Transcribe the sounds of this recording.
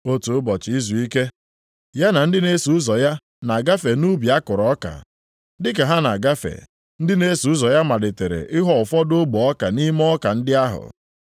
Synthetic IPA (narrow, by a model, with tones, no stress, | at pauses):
o˦tu˨ʊ˦bɔ˨t͡ʃɪ˨˦i˦zu˨i˦ke˦ | ja˦na˨n̩˦dɪ˦ne˦su˨ʊ˦zɔ˨ja˦ | na˨a˨ɡa˦fe˨nu˦bi˨a˦kʊ˨ɾɔ˨˦ka̰˨ | dɪ˦ka˨ɦa˦na̰˨ɡa˦fḛ˨ | n̩˦dɪ˦ne˦su˨ʊ˦zɔ˨ja˦ma˨dɪ˨te˨ɾḛ˨ʔɪ˦ɦɔ˦ʊ˨fɔ˦do˦ɡ͡bɔ˨ɔ˦ka˨ni˦m˦ɔ˦ka˨n̩˦dɪ˦a˦ɦʊ̰˨